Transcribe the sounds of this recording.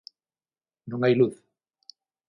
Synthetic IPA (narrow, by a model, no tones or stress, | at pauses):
nõŋajluθ